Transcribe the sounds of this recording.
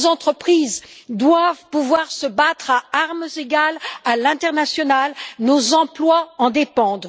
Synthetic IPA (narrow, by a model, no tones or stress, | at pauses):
zɑ̃t̪χəpχizd̪wavpuvwaʁsəbat̪χaaʁmzeɡalalɛ̃t̪ɛʁnasjɔnalnozɑ̃plwaɑ̃d̪epɑ̃d̪